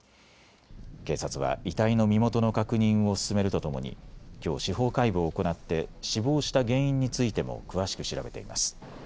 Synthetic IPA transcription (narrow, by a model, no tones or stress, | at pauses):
ke̞ːsat͡sɨβ̞a̰it̪aino̞mʲimo̞t̪o̞nokakɯ̟ɲ̟ĩɰ̃o̞sɨ̥sɨme̞ɾɯ̟t̪o̞t̪o̞mo̞̰ɲ̟ḭkʲo̞̰ːɕiho̞ːkaibɯ̟ːko̞nat̪ːe̞ɕibo̞ːɕi̥t̪aɡẽ̞ɰ̃ĩɲ̟ːit͡sɨit̪e̞mo̞̰kɯ̟β̞aɕi̥kɯ̟ɕiɾabe̞t̪e̞̰ima̰sɨ̥